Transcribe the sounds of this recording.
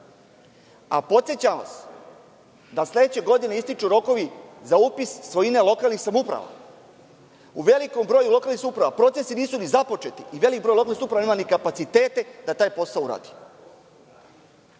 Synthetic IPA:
a̰po̞t̪sjet͡ɕaʋa̰s | d̪aslʲe̞d̪et͡ɕe̞ɡo̞d̪ineist̪it͡ʃuɾo̞ko̞ʋizaupisːʋo̞ine̞lˠo̞kalˠnixsamupɾa̰ʋa̰ | uʋe̞liko̞mbɾo̞ːjulo̞kalnixsupɾaʋa̰pɾo̞t̪se̞siniːsunizapo̞t͡ʃe̞t̪iiʋe̞likbɾojlokalnisupɾaʋaneːmanikapat̪sit̪e̞ːt̪e̞d̪at̪aːjpo̞saouɾa̰ːd̪i̥

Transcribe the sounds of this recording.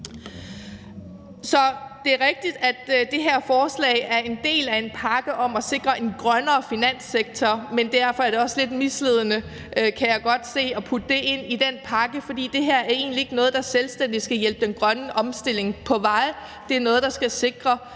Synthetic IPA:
sɒ̽d̥e̝ɐʁɛɡ̥̚d̥id̥æd̥d̥e̝ɦeɐ̰fɒːslɛ̰ːɪæɐe̝nd̥e̝̰ːlæe̝npʰɑ̈ɡ̥əʔɒ̽mæse̝ɡ̥ʁɐʔe̝nɡ̥ʁɶnɐːfinæn̰seɡ̥̚t͡sʰɒmend̥æɐ̰fɒ̽æɐɾe̝ɒ̽sle̝d̥misle̝ð̞̰ˠənə | kʰæjɑ̈ɪɡ̥ɒ̽d̥se̝̰ːɒ̽pʰud̥əd̥e̝ʔe̝n̰id̥en̰pʰɑ̈ɡ̥əfɒ̽d̥ḭːd̥e̝ɦæɐæɐe̝̰ːnlie̝ɡ̥ənɔ̽ːð̞̩ˠd̥ɑ̈selsd̥en̰d̥isɡ̥æjelb̥əd̥enɡ̥ʁɶnəʔɒ̽msd̥e̝l̰e̝ŋpʰɒ̽ʋɑ̈ɪ | d̥e̝æɐnɔ̽ːð̞ˠd̥ɑ̈sɡ̥æse̝ɡ̥ʁɐ

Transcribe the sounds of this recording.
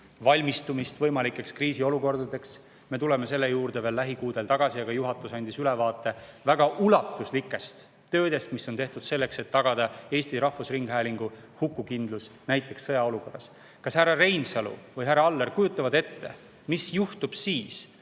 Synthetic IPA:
vɑlʲmist̪umist̪vɤ̞jmɑlikːˑe̞kskriːsio̞luko̞rd̪̥ɑd̪e̞ks | me̞t̪ule̞me̞se̞lːe̞juːrd̪̥eve̞ːlːæɦikuːd̪e̞lt̪ɑɡ̥ɑsiɑɡ̥ɑjuɦɑt̪ːˑusɑnʲd̪̥isylɛvɑːt̪ːˑe̞væɡ̥ɑʔulɑt̪ːˑuslikːˑe̞st̪ː | ø̞ːd̪e̞st̪misːo̞nt̪e̞ht̪ud̪̥se̞lːe̞kse̞t̪ːɑɡ̥ɑd̪̥ɑe̞ːsʲt̪iɾɑhfusriŋɡ̥ɦæːliŋɡ̥uhukːˑukind̪̥lusnæjt̪ːˑe̞ksːɤjɑo̞luko̞rːɑs | kɑshærːɑre̞jnsɑlṵvɯjɦærːɑɑlːerkujut̪ːˑɑvɑd̪e̞t̪ːe̞̰ | misjuht̪ub̥siːs

